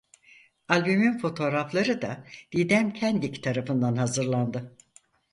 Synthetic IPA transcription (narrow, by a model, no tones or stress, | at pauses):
alʲbymynfo̞t̪ʰo̞ːɾaflˠaɾɯd̪ad̪̥id̪æmcʰænd̪ict̪ʰaɾafɯnd̪anhazɯɾlˠand̪ɯ